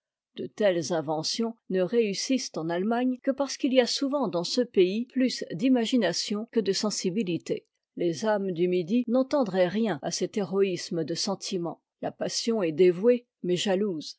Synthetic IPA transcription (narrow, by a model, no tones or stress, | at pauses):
d̪̥ət̪ɛlzɛ̃vɑ̃sjɔ̃nəʁeysist̪ɑ̃nalmaɲkəpaʁsə̥kiliasuvɑ̃d̪ɑ̃səpeiplysd̪imaʒinasjɔ̃kəd̪əsɑ̃sibilit̪ḛ | lezamd̪ymid̪inɑ̃t̪ɑ̃d̪ʁɛʁjɛ̃asɛt̪eʁɔisməd̪əsɑ̃t̪ʰimɑ̰̃ | lapasjɔ̃ɛd̪evwe | mɛʒaluːz